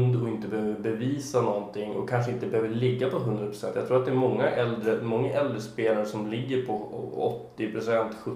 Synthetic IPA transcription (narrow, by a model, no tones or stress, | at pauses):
nd̪ɔɪnt̪əbɛhøːvəɾbɛviːsanɔnt̪ʰɪŋːɔ̰kʰːanʂəɪnt̪əbɛhøːvəɭɪɡːapʰɔɦɵnd̪ɾapʰɾʊsɛnt̪jaɡt̪ʰɾuːɾat̪d̪ɛːæɾmɔŋːaʔɛld̪ɾəmɔŋːaʔɛld̪ɾəspeːlaɾəʂɔmlɪɡːəɾpʰɔɔ̰t̪ːɪpʰɾʊsɛnt̪ɧɵ